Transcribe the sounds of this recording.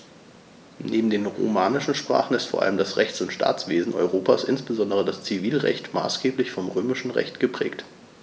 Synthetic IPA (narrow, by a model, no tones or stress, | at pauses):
neːbm̩deːnʁo̰maːnɪʃn̩ʃpʁ̥a̰ːχn̩ɪstfoːɐʔa̰ləmdasʁɛçt͡sʊntʃtʰa̰ːt͡sv̥eːzn̩ʔɔ̰ʏʁoːpaːsʔɪnsb̥əzɔndəʁədast͡siviːlʁɛ̰çtma̰ːsɡ̥eːplɪçfɔmʁøːmɪʃn̩ʁɛ̰çtɡ̥əpʁ̥ɛ̰ːkt